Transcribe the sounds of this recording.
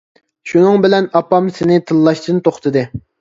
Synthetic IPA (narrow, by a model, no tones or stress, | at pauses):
ʃunɨŋbɪlɛnɑpːɑmsɪnɪt̪ʰɨlˠːɑʃd̪ɨnt̪ʰoχt̪ʰɨd̪ɨ